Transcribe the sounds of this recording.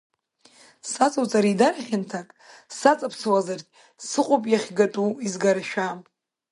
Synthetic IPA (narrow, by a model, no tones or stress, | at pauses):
sat͡sʼawt͡sʼaɾidaɾaχʲɪntʰakʼsat͡sʼapʰsɨwazarkʲʼ | sɨqʷʼʊpʼjaχʲɡatʼuizɡaɾaʃᶣam